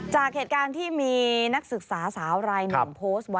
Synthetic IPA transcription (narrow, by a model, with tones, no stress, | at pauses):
t͡ɕaː˨˩k̚heː˨˩t̪̚kaː˧nt̪ʰiː˥˩miː˧na˦˥k̚sɯ˨˩k̚saː˩˦saː˩˦wɾaː˧jna̰˨˧mpʰoː˦˥st̪̚wa˦˥